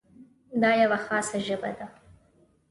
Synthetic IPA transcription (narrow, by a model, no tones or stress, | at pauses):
d̪ɑjawaxɑːsaʒəba̰d̪a